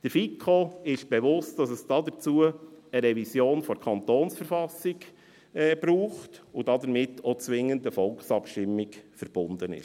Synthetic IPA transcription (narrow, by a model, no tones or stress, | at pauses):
d̥əɾfikʰoɪʃb̥ɛʋʊst̚d̥ɑsəsd̥ɑdəɾt͡suəəɾɛvisjoːnfɔɾkʰɑnt̪oːnsfəɾfɑsɪɡ | ɛːb̥ɾuːχtʊd̥ɑdəɾmɪtʰːot͡sʋɪŋːəndəfɔlˠksɑpʃtɪmːɪɡfəɾb̥ʊnd̥̪ənɪ̰ʃ